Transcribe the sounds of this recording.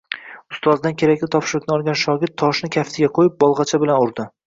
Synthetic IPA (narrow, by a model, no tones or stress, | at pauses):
ʊst̪ɒzd̪ankʲʰe̞ɾakʲlɪt̪ʰɒpʃɪɾʊkʲnɪɒlˠɡʲanʃɒɡʲɪɾt̪ʰːɒʃnɪkʲʰaft̪ʰɪɡʲaqʰojɪp̚bɒlˠʁɑt͡ʃʰabɪlanʊɾd̪ɪ